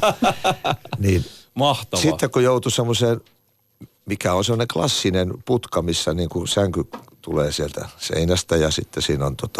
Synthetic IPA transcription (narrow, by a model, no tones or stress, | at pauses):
niːnmɑht̪ɑʋsiːekkojout̪usemːoseːn | mikæonsemːŏneklɑsːinenput̪kɑmisːæniːŋkusæŋkyt̪uleːsielt̪æ̰sḛinæst̪æjɑsit̪ːesiːnont̪ot̪ɑ̥